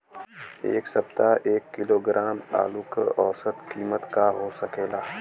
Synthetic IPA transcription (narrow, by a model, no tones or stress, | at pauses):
ḛːksɐbt̪aʔeːkːɪloːɡɾʔaːma̰ːluːkʔɔːsət̪kiːmət̪kaɦoːsɐkeːlaː